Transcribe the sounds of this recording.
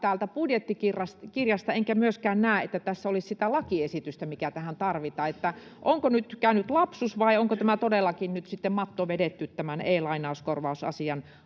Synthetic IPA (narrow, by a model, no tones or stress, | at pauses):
t̪æːlt̪æpudjet̪ːikirɑskirjɑst̪ɑeŋkæmyøskæːnnæˑːet̪ːæt̪æsːæolissit̪ælɑkiesit̪yst̪æmikæt̪æhænt̪ɑrʋit̪ɑːet̪ːæʔoŋkonyt̪kæˑynyt̪lɑpsusʋɑioŋkot̪æmæt̪odelːɑkinnyt̪sit̪ːemmɑt̪ːoʋedet̪ːyt̪t̪æmæneːlɑinɑuskorʋɑusɑ̰siɑn